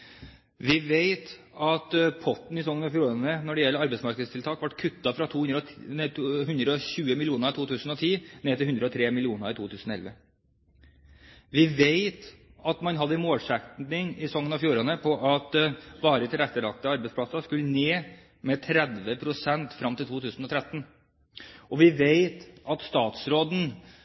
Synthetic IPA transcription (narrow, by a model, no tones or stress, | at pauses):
ʋɪʋeɪt̪ | ɑt̪pʰɔt̪n̩ɪsɔŋːənɑfjuːɾɛnənɔɖɛjɛlːəɾɑɾbɛɪsmɑɾkəd̪st̪ʰɪlt̪ʰɑːkʋɑʈkʰʉt̪ːɑfɾɑt̪ʰuː | hʉnd̪ɾəɔɕʉːəmɪlɪuːnəɾɪt̪ʰuːt̪ʰʉːsən̩ɔt̪ʰiːneːt̪ɪlʉnd̪ɾəɔt̪ʰɾeːmɪlɪuːnəɾɪt̪uːt̪ʰʉːsn̩ɔɛlʋə | ʋɪʋeɪt̪ɑt̪mɑnɦɑd̪ːəmoːlʂɛkt̪ɪŋɪsɔŋːənɑfjuːɾənəpʰɔʔɑt̪ʋɑːɾət̪ʰɪlɛt̪ːəlɑk̚t̪əɑɾbɛɪsplɑsɑskʉlːəneː | mɛt̪ʰɾɛd̪ʋəpʰɾʊsɛnt̪fɾɑmt̪ɪlt̪ʰuːt̪ʰʉːsn̩ɔt̪ʰɾɛt̪ːn̩ | ʔɔʋɪʋeɪt̪ɑt̪st̪ɑːt̪sɾoːd̪n̩